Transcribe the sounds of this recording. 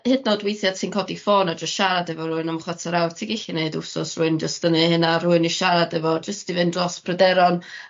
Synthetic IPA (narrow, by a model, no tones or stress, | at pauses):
hɨdnɔdwejθjḁtʰiːnkʰɔdifoːnad͡ʒəstʃaɾadɛvɔɾʊɨnamχwatʰaɾawrtʰiɡɪɬineɨdʊsɔsrʊɨnd͡ʒəstənihɨnaɾʊɨniʃaɾadɛvɔd͡ʒəstivɨndrɔspʰrɛdɛɾɔn